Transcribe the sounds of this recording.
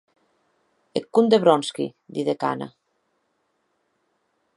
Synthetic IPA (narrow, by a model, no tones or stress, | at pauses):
ekːund̪eβɾɔnskḭd̪iðeka̰na̰